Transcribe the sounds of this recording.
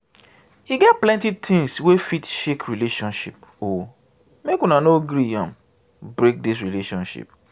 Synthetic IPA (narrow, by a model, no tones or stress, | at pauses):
hiɡɛt̚plɛ̃ntitʰĩŋswefitʃekɹileʃɔ̃nʃḭpo | mekũnanoɡɾiã̰m | bɹek̚dis̬ɹileʃɔ̃nʃḭp